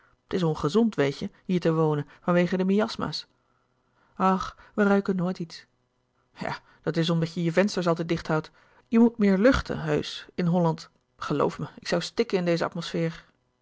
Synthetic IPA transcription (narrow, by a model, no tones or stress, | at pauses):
tɪsonχəzɔntʋejcəɦiːɹtəʋownənvɑnʋejχədəmiɑsma̰ːs | ɑχʋərœɥkənoːjtits | ja̰ː | d̥ɑtɪs̬ɔmdɑəjəvɛnstəɹs̬ɑlˠtɛjt̚dɪχtɦɑwt | jəmut̚mɪːɹlɵχtə̰ɦøɥsɪnɦɔlɑnt | χəlo̰wfməɪksʌwstɪkənɪndejzəɑ̰tmosfɪːɹ